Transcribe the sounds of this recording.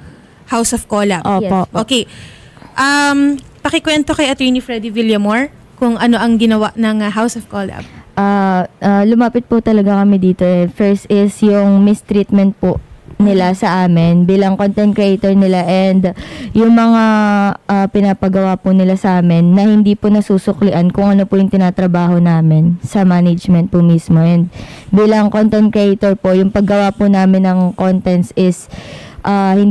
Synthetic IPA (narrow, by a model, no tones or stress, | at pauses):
hawsovkolɐpʔooʔoːke | ʔampɐkɪkwɛnt̪o̞kɐjʔɐt̪ɛɹnifɾɛd̪ɪwɪljɐmoɹ | kʊŋʔɐno̞ʔɐŋɡɪnɐwaʔnɐŋɦawsovkoːlɐ̰bʔaʔalʊmaːpɪt̪̚pʊt̪ɐlɐɡakɐmɛd̪iːt̪o̞ʔɛfɛɹst̪ʔɪsjʊŋmɪst̪ɾiːt̪̚mɛnt̪̚pʊnɪlasɐʔaːmɪnbiːlɐŋkont̪ɛnt̪̚kɾɪʔejt̪oɹnɪlaʔɛnd̪jʊŋmɐŋaʔapɪnaːpɐɡɐwapʊnɪlasɐʔaːmɪnːɐhɪnd̪iːpʊnɐsuːsʊklɪʔankʊŋʔɐnopʊjʊŋt̪ɪnaːt̪ɾɐbaːho̞naːmɪnsɐmaːnɪd͡ʒmɛnt̪̚pʊmismo̞ʔɛnd̪̚biːlɐŋkont̪ɛnt̪̚kɾɪʔet̪oɹpo̞jʊŋpɐɡɐwapʊnaːmɪnːɐŋko̞nt̪ɛnsʔɪsʔaːhɪn